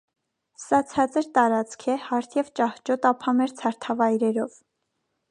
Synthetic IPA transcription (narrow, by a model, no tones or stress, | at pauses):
sɑt͡sʰɑt͡səɾt̪ɑɾɑt͡skʰɛhɑɾt̪ʰjɛvt͡ʃɑht͡ʃɔt̪ɑpʰɑmɛɾt͡sʰɑɾt̪ʰɑvɑjɾɛɾɔv